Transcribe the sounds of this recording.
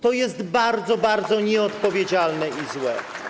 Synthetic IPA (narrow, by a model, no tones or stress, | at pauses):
t̪ɔjɛst̪baɾd̪zɔbaɾd̪zɔɲɛɔt̪pɔvʲjed͡ʑalnɛizwɛ̰